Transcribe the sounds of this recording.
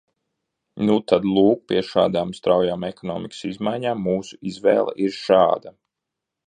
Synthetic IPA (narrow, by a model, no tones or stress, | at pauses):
nut̪ad̪lˠuːk̚pʲiɛʃaːd̪aːmst̪ɾawjaːmɛkɔnɔːmiksizmajɲaːmːuːsu̥izvɛ̰ːlˠɛ̰ʔiɾʃɑːd̪a